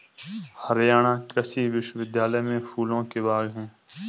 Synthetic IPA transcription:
həɾjaːɽ̃aːkɾəsiʋɪʃwəʋɪd̪jaːləmẽfʰuːlõkebaːɡɦɛ̃ː

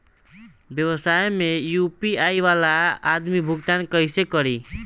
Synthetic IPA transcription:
bjəβəsajmejupiajʋalaad̪mibʱuɡt̪ankʌɪsekʌɾi

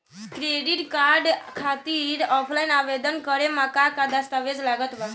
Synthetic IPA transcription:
skɾeɖiʈkaɾɖkʰat̪iːɾɔpʰlainaʋed̪ənkəɾemakakad̪ast̪aʋed͡zlaɡət̪ʋa

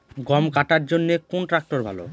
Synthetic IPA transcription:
ɡɔmkaʈaɾd͡ʑonːekonʈɾak̚ʈoɾbʱa̰lo̰

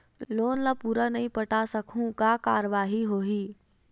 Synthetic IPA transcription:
loːnlapuːɾanɐɦĩpɐʈasɐkʰũkakaːɾəʋaːɦiɦoːɦiː

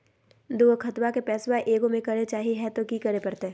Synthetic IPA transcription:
d̪uːkʰɐt̪wakepɛːswaʔeːɡõmẽkɐɾet͡ʃaːɦiɦɛt̪okikɐɾepɐɾt̪e

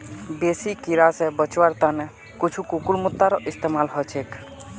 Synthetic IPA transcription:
besikiɾasɛbət͡ʃwaɾt̪anɛ | kut͡ʃʰukukulmʊt̪ːaɾɔʔist̪emalɦɔt͡ʃʰek

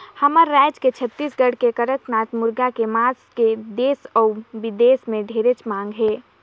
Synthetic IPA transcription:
həməɾːɛd͡ʒket͡ʃʰət̪ːiːsɡəɽ̤kekəɾət̪naːt̪mʊɾɡakemaːsked̪eːsɔbɪd̪eːsmẽɖʱeːɾet͡ʃmãːŋɡɦeː

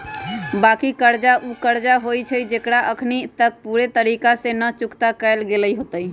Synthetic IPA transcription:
bakikəɾd͡ʒaʔukəɾd͡ʒaɦojt͡ʃʰəd͡ʒekɽaʔəkʰnit̪ək̚puɾet̪əɾikasenət͡ʃukt̪akəjlɡeləjɦot̪əj

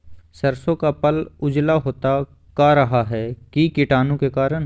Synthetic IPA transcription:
sɐɾsõkapɐlʊd͡ʒlaɦoːt̪a | kaɾɐɦaɦɛkikɪʈaːnõkekaːɾən

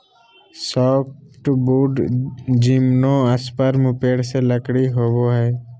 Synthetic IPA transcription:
sɔːp̚ʈbuːɖd͡ʒimnõəspəɾmʊpeːɽseləkɽiɦoːboɦɛː

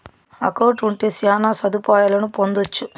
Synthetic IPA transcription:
ɐ̰kɐwʈuɳʈe̞ːsjaːnaːsɐd̪upaːjaːlɐnupond̪ot͡ʃːu

